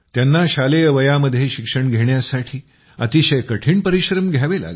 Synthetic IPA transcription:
t̪janːaɕalejəʋəjaməd̪ʱːjeɕikʂəɳɡʱeɳjasaʈʰiː | ə̰t̪iɕəjkəʈʰiːɳpəɾiɕɾəmɡʱjaʋela̰ɡ

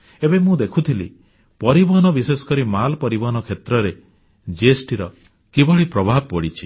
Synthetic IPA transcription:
ebemũd̪ekʰut̪ʰilḭ | pɔɾibɔɦɔnɔbisesɔ̥kɔɾimalpɔɾibɔɦɔnɔkʰet̪ɾɔɾe | d͡ʒiesʈiɾɔ | kibɔɭipɾɔbʱab̚pɔɽit͡ʃʰi̥

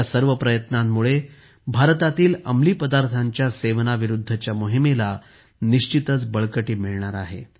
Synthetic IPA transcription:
asəɾʋəpɾəjət̪namːuɭe | bʱaɾt̪at̪iːləmliːpəd̪aɾt̪ʰaɲt͡ɕjaseʋnaʋiɾud̪ʱːət͡ɕjamoɦimela | niʂt͡ɕit̪ət͡sbəɭkəʈiːmiɭɳaɾaɦḛ

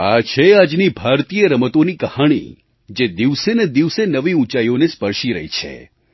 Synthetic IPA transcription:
at͡ʃʰead͡ʒnibʱaɾt̪ijəɾəmət̪onikəhaɽ̃ḭ | d͡ʒed̪iʋsened̪iʋsenəʋiũt͡ʃajonespəɾʃiɾə̰ɦit͡ʃʰḛ

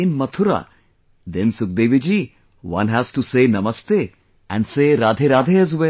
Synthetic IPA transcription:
ɪ̃nmɐt̪ʰʊɾa̰ | d̪ɛ̃nsʊk̚d̪eːʋid͡ʒiː | wɐ̰̃nɦæz̥ʈuseːnɐməst̪e | ɛ̰̃ɳɖseːɾaːd̪ʱeɾaːd̪ʱeɛzʋe

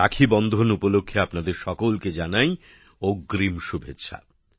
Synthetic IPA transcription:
akʰibɔnd̪ʱonupolokʰːeapnad̪eɾʃɔkolked͡ʑanaj | oɡɾimʃubʱetːɕʰa̰

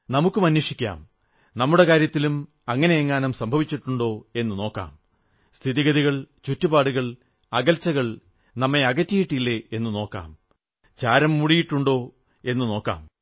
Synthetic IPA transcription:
nɐmukːumɐnːiʂikʲːa̰ːm | nɐmːuɽe̞kaːɾjɐt̪ːilum | ɐŋːɐneeŋːaːnɐmsɐmbʱɐʋit͡ɕːiʈːuɳɖo̞ːe̞nːɨno̞ːkːa̰ːm | st̪ʰiðiɣɐðiɣɐɭt͡ɕutːubaːɽuɣɐɭ | ɐɣɐlt͡ɕːɐɣɐɭ | nɐmːe̞ɐɣɐtːijiʈːilːe̞enːɨno̞ːkːa̰ːm | t͡ɕaːɾɐmːuɽijiʈːuɳɖo̞ː | e̞nːɨno̞ːkːa̰ːm

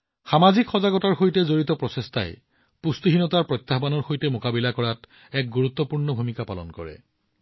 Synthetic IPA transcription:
xamazikʰxɔzaɡɔtaɹxojtɛzoɹitɔpɹɔsesta̰j | pustiɦinɔtaɹpɹɔt̪ːaɦbanɔɹxojtɛmokabilakɔɹat | ɛk̚ɡuɹut̪ːɔpuɹnɔbʱumikapalɔ̰nkɔ̰ɹɛ̰

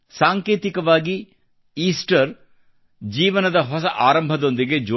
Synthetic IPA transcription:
saːŋkeːt̪ikɐʋaːɡi | iːsʈɐɾ | d͡ʒiːʋɐnɐd̪ɐɦɔsɐʔaːɾɐmbʱɐd̪o̞nd̪iɡe̞d͡ʒo

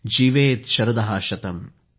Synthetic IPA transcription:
d͡ʒiːʋeːt̪ʃɐɾɐd̪ɐɦaːʃɐt̪ɐm

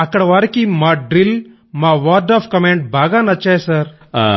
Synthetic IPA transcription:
ɐkːɐɽɐʋaːɾɐkimaːɖɾil | maːʋaːd̪aːpkɐmeːɳʈ̚baːɡaːnɐt͡ʃːaːjsaːɾ

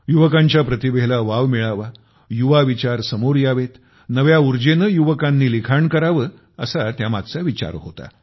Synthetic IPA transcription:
juʋəkãɲt͡ɕjapɾət̪ibelaʋaʋmiɭaʋa | juʋaʋit͡ɕaɾsəmoɾjaʋet̪ | nəʋjauɾd͡ʑenəjuʋəkanːiːlikʰaɳkəɾaʋə | ə̰sat̪jamad̪t͡saʋit͡ɕa̰ɾɦot̪a̰

